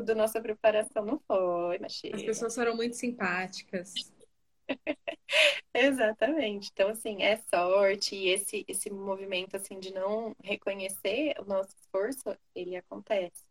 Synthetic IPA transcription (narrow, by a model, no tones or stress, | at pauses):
d̪ɐnɔsɐpɾepaɾasɐ̃w̃nɐ̃w̃fojmaʒḭɐspesoɐsfoɾɐ̃w̃mũj̃t̪ʊ̥sĩpat͡ʃi̥kɐs | ezat̪ɐmẽt͡ʃɪẽt̪ɐ̃w̃asĩɛsɔɾt͡ʃɪːesɪʔesɪmovimẽnt̪ʊasĩd͡ʒɪnɐ̃w̃ɦekoɲeseɾʊ̰nɔsʊɪsfoɾsʊ | elɪakõnt̪ɛsɪ̥